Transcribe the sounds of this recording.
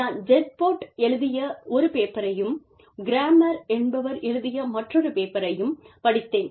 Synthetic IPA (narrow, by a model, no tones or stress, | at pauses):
aːnd͡ʒɛʈ̚poːʈɛɭɯðɪjɐɔɾɯpeːpːɐɾɐjɯm | ɡɪɾaːmɐɾɛnbɐʋɐɾɛɻɯðɪjɐmɐʈrɔɾɯpeːpɐɾɐjɯmpɐɽɪt̪ːeːn